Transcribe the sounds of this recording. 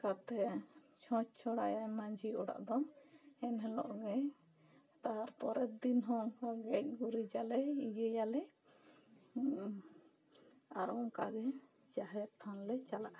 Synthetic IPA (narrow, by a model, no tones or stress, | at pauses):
kat̪ɛt͡ʃʰɔ̃t͡ʃt͡ʃʰɔɽajajmad͡ʒʱiɔɽa̰ʔd̪ɔmɛnɦɛlɔ̰ʔɡɛj | t̪aɾpɔɾɛt̪̚d̪inɦɔŋkɔɡɛc̚ɡuɾid͡ʒalɛiɡɛjalɛ | aɾɔŋka̰ɡɛ | d͡ʒaɦɛɾt̪ʰːanlɛt͡ʃalaʔ